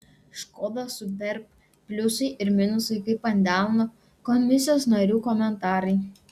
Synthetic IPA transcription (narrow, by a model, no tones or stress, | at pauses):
ʃkoːd̪ɐsʊb̪ʲɛɾp | pʲlʲʊsɐɪʔɪɾmʲɪnʊsɐɪkɐɪpɐnʲd̪ʲæˑlˠno | kɔmʲmʲɪsʲɪjoːsnɐɾʲuːkɔmʲɛnt̪ɑːɾɐɪ